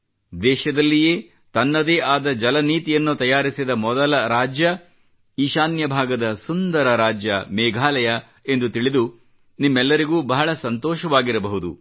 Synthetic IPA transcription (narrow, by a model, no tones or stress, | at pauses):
d̪ɛːʃɐd̪ɐlːije̞ː | t̪ɐnːɐd̪eːʔaːd̪ɐd͡ʒɐlɐniːt̪ijɐnːut̪ɐjaːɾisid̪ɐmɔd̪ɐlɐɾaːd͡ʒjɐ | iːʃaːnjɐbʱaːɡɐd̪ɐsund̪ɐɾɐɾaːd͡ʒjɐmɛːɡʱaːlɐjɐ | e̞nd̪ut̪iɭid̪u | nimːɛlːɐɾiɡuːbɐɦɐɭɐsɐnt̪ɔːʃɐʋaːɡiɾɐbɐɦud̪ṵ